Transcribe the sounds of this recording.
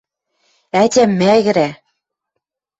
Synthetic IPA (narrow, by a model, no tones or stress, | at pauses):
ætʲæmːæɣɘ̆ɾæ